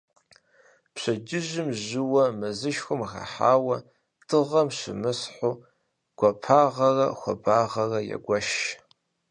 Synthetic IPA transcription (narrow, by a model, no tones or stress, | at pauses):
pɕɐd͡ʒɪʒɪmʑɨwɐmɨzɨʃxʷʊmxɐ̰ħaːwɐ | d̥ʰɨʁɐmɕɪmɨsħoː | ɡ̥ʷɐpʰaːʁɐrɐxʷɐ̰baːʁɐrɐjɛ̰ɡʷɐʃ